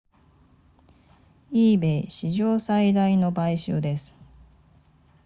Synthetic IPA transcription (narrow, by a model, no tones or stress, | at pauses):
iːbe̞iɕiʑo̞ːsaid̪aino̞baiɕɨ̰ːd̪e̞sɨ̥